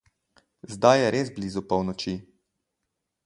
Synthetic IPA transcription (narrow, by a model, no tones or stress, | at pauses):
zd̪ajɛɾeːzbliːzupɔwnɔt͡ʃi